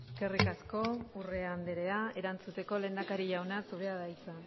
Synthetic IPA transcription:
eske̞rikasko̞ure̞and̪eɾeae̞ɾant͡sut̪e̞ko̞le̞ːnd̪akaɾiʎawnasuɾeaðajt͡sa

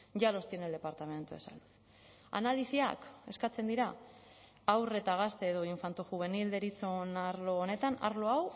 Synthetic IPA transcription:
ʝalo̞st̪ieneld̪e̞paɾt̪ame̞nt̪ue̞̰sa̰ld̪us | a̰nalisia̰ke̞skat͡se̞nd̪iɾa | awre̞t̪aɣ̞ast̪eːðo̞iɱfant̪uxuβ̞e̞nild̪e̞ɾit͡sonaɾlo̞ːne̞t̪ana̰ɾlo̞aw

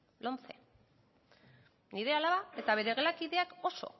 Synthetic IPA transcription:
lo̞nt͡sḛ | niɾe̞alaβae̞t̪aβ̞e̞ɾe̞ɣlakiðe̞ako̞so̞̰

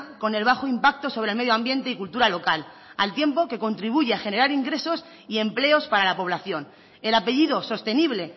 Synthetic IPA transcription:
ko̞ne̞lβ̞axoimpak̚t̪o̞so̞βɾelme̞ðjoãmbje̞nt̪e̞ikult̪uɾalo̞kal | alt̪je̞mpo̞ke̞ko̞nt̪ɾiβuʝeaxe̞ne̞ɾaɾiŋɡɾe̞so̞s | ie̞mple̞o̞spaɾalapo̞βlaθjo̞n | e̞lape̞ʝiðo̞so̞st̪e̞niβ̞le

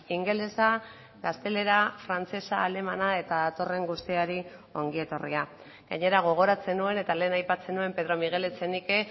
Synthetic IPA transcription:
iŋɡe̞lesa | ɡast̪e̞le̞ɾafɾant͡se̞saːle̞manae̞t̪aðat̪o̞re̞ŋɡust̪iaɾio̞ŋɡie̞t̪o̞rḭa | ɡaɲe̞ɾaɣ̞o̞ɣ̞o̞ɾat͡se̞nue̞ne̞t̪ale̞ːnajpat͡senue̞mpe̞ðɾo̞miɣ̞e̞let͡se̞nike

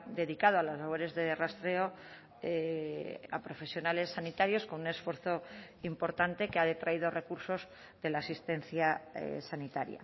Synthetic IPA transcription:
d̪e̞ðikað̞oalazlaβ̞o̞ɾe̞zðe̞rast̪ɾe̞o̞ | e | a̰pɾo̞fe̞sjonale̞sːanit̪aɾjo̞sko̞nune̞sfwe̞ɾθo̞ | impoɾt̪ant̪e̞keaðe̞t̪ɾaið̞o̞re̞kuɾso̞z | ðe̞laːsist̪e̞nθjaḛsanit̪aɾja̰

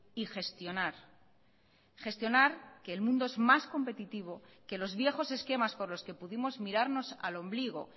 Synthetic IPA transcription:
ixe̞st̪jo̞naɾ | χe̞st̪jo̞naɾke̞ːlmũnd̪o̞e̞zmasko̞mpe̞t̪it̪iβ̞o̞ke̞lo̞zβje̞xo̞se̞ske̞maspo̞ɾlo̞ske̞puðimo̞zmiɾaɾno̞sa̰lo̞mbliɣ̞o̞̰

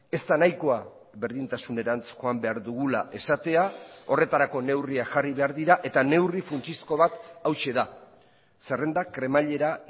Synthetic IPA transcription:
e̞st̪anajkoa | βe̞ɾðint̪asune̞ɾant͡sxoambe̞aɾðuɣulaʔe̞sat̪e̞ao̞re̞t̪aɾako̞ne̞wriaʝariβe̞aɾðiɾaʔe̞t̪ane̞wrifunt͡ʃisko̞βat̪awʃe̞ða | se̞re̞nd̪akɾe̞maʎe̞ɾa

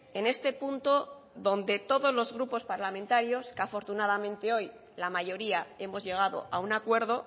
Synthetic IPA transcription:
e̞ne̞st̪e̞punt̪o̞ | ðo̞nd̪e̞t̪o̞ðo̞zlo̞zɣɾupo̞spaɾlamẽnt̪aɾjo̞skafo̞ɾt̪unaðamẽ̞nt̪e̞o̞j | lamaʝo̞ɾiae̞mo̞zʝe̞ɣ̞aðo̞̰ʔaunakwe̞ɾð̞o̞

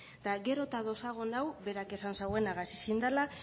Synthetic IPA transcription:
d̪aɣe̞ɾo̞t̪aðo̞saɣo̞nawβe̞ɾake̞sansawe̞naɣasi̥sind̪ala

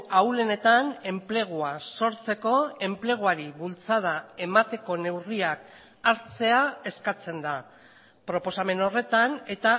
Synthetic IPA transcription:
awle̞ne̞t̪ane̞mple̞ɣ̞uaso̞ɾt͡se̞ko̞e̞mple̞ɣ̞uaɾiβult͡sað̞ae̞mat̪e̞ko̞ne̞wriak | aɾt͡se̞ae̞skat͡se̞nd̪a | pɾo̞po̞same̞no̞re̞t̪ane̞t̪a

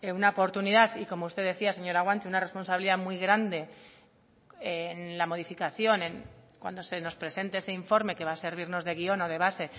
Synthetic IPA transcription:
eunaopo̞ɾt̪uniðaθiko̞moust̪eðe̞θiase̞ɲo̞ɾaɣwant͡ʃ̪iunare̞spo̞nsaβiliðamwijɣɾand̪e̞ | enlamo̞ð̞ifikaθjo̞nẽ̞ŋkwa̰nd̪o̞se̞no̞spɾe̞se̞nt̪eeseiɱfo̞ɾme̞ke̞βase̞ɾβ̞iɾno̞zðe̞ɣio̞no̞ð̞e̞β̞ase̞

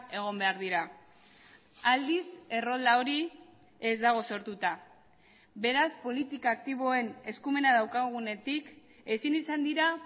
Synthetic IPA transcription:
e̞ɣ̞o̞mbe̞aɾðiɾa | ald̪ise̞ro̞ld̪ao̞ɾi | e̞zd̪aɣ̞o̞so̞ɾt̪ut̪a | be̞ɾaspo̞lit̪ikaːk̚t̪iβ̞o̞e̞ne̞skume̞naðawkaɣ̞une̞t̪ik | e̞sinisand̪iɾa

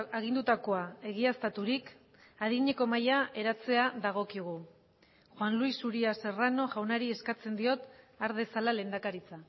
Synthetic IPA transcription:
aɣ̞ind̪ut̪ako̞ae̞ɣiast̪at̪uɾik | aðiɲe̞ko̞majae̞ɾat͡se̞aðaɣ̞o̞kiɣ̞u | xwanluisuɾiase̞rano̞ʝawnaɾie̞skat͡se̞nd̪io̞t̪ | aɾðe̞salale̞ːnd̪akaɾit͡sa

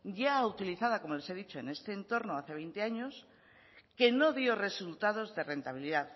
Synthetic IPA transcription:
ɟ͡ʝaut̪iliθað̞ako̞molese̞ðit͡ʃo̞ene̞st̪e̞ːnt̪o̞ɾno̞aθe̞βejnt̪e̞aɲo̞s | ke̞no̞ðjo̞re̞sult̪aðo̞zðe̞re̞nt̪aβ̞iliðað

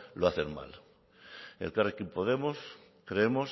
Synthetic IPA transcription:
loaθeɾma̰l | ḛlkarekimpoðe̞mos | kɾeemos

